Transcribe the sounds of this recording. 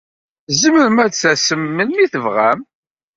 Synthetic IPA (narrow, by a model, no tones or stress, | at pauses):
zəməɾəmæsæsəmːənːiθəvʁæ̰m